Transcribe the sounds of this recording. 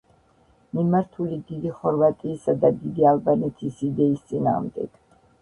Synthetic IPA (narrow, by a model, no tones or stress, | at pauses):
mimaɾt̪ʰulid̪id̪iχɔɾvat̪ʼiːsad̪ad̪id̪ialˠbanɛt̪ʰisid̪ɛist̪sʼina̰ːʁmd̪ɛ̰ɡ̥